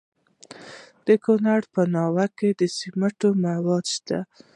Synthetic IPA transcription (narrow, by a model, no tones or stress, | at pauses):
d̪̥əkonaɽpənɑwaked̪əsimaʈomawɑd̪ʃt̪a